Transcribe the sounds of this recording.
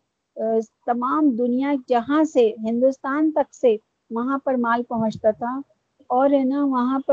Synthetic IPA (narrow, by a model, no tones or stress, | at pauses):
t̪ɐmaːmd̪ʊnijad͡ʒɐɦãseɦɪ̃nd̪ust̪aːnt̪ɐkse | ʋɐɦãpɐɾmaːlpɐɦʊ̃t͡ʃt̪at̪ʰa | ɔːɾɛnaʋɐɦãpɐ